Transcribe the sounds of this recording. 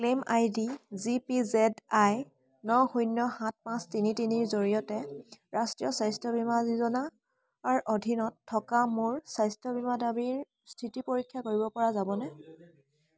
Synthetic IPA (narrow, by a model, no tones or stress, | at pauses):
klemajdizipizɛdaj | nɔxujnjɔhãt̚mãstinitiniɹzoɹijɔtɛɹastɹijɔsajstɔbʱimazizɔnaː | ɹʔodʱinɔtʰːɔkamʊɹsajstɔbʱimadabiɹ | stʰitipoɹikʰːjakoɹibɔpɔɹazabɔnɛ